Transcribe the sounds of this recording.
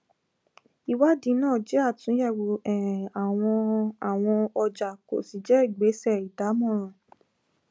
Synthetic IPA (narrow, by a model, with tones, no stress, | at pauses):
i˧wa˦dĩ˨˦nãː˦˨d͡ʒɛ˨˦a˦˨tũ˨˦jɛ˦˨wo˨ɛ˨a˨w̃ɔ̃˧a˨w̃ɔ̃˧ɔ˧d͡ʒa˨ko̰˨si˨˦d͡ʒɛ˦i˦˨ɡ͡be˨˦sɛ˦˨i˨da˨˦mɔ̃˦˨ɾ̃ɔ̃˨